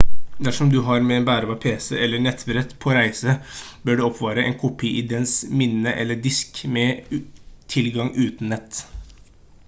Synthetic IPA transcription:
d̪æʂɔmd̪ʉɦɑɾmɛeːnbæːɾəʋɑːpʰeːsəʔɛlːəɳɛt̪bɾɛt̪pʰoːɾæɪsə | bøːɖʉːɔpʰʋɑːɾəʔḛːnkʰʊpʰiːʔɪd̪ɛnsmɪnːəʔɛ̰lːəɖɪskmɛ | t̪ʰɪlɡɑŋʉːt̪n̩ːɛt̪ː

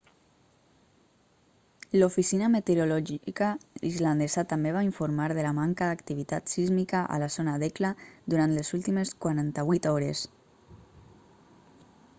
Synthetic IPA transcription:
lofisinəmet̪eɾulɔʒikaizland̪ezət̪ambeβ̞aiɱfuɾmaɾðəlamaŋkəd̪akt̪iβ̞it̪at̪sizmikəʔa̰lazonaðɛklaðuɾant̪lezulˠt̪imeskwaɾant̪əβwit̪ɔɾes

